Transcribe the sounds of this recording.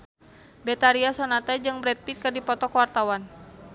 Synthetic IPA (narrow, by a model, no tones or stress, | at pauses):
bɛt̪aɾiasɔnat̪ɛd͡ʒɨŋbɾɛt̪̚pit̪̚kɨrdipɔt̪ɔkwart̪awan